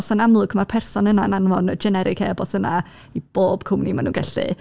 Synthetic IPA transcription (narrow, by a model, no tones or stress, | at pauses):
sanamlˠʊɡʰmarpʰɛrsɔnənananvɔnəd͡ʒɛnɛɾʔɪkʰeːbɔsəna | ib̥oːb̥kʰʊmnimanunɡɛɬɨ̰